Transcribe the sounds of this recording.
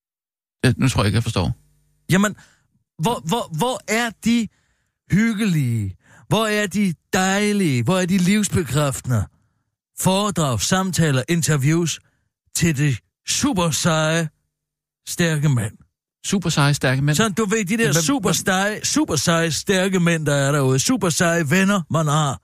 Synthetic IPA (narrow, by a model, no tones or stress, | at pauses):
enut͡sʰoɐ̰jeɡ̥jafɒsd̥ɔ̰ː | jæmən | ʋɒʋɒʋɒʔæɐd̥i | hyɡ̥əli | ʋɒæɐd̥id̥ɑ̈ɪliəʋɒæɐd̥iliʊsb̥e̝kʰʁafd̥nɐ | fɒːd̥ʁɑ̰̈ʊsɑ̈mt͡sʰɛ̰ːlɐʔe̝nt͡sʰɐʋjuːs | t͡sʰe̝ld̥e̝ | sṵb̥ɐsɑɪ | sd̥æɐɡ̥əmæn̰ | sub̥ɐsɑɪsd̥æɐɡ̥əmensɒnn̩d̥uʋe̝d̥id̥ɛɐsṵːb̥ɐsd̥ɪsṵb̥ɐsɑ̈ɪsd̥æɐɡ̥əmen̰d̥ɑæɐɾæuːðˠsṵːb̥ɐsɑ̈ɪʋenɐmænhɑ̈